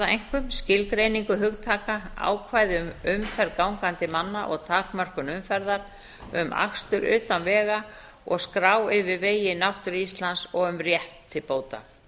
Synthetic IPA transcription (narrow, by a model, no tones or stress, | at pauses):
aejŋ̥kʏmscɪlkɾejniŋkʏɦʏɣt̪ʰaːkaa̰ːwkʰvaːjðɪʏmʏmfɛɾkawŋkant̪ɪmanːaʔɔɣt̪ʰaːkmar̥kʏnʏmfɛɾðaɾ | ʏma̰kst̪ʏɾʔʏ̰ːt̪anvɛːɣa | ɔɣskɾaːwɪvɪɾveːjɪnawht̪ʏɾist̪lansɔɣʏmrjɛht̪ʰːɪlpoːwt̪a̰